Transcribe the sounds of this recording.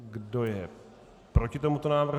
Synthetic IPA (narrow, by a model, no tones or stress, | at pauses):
ɡdo̞jɛ | pɾo̞cɪt̪o̞mut̪o̞naːvr̩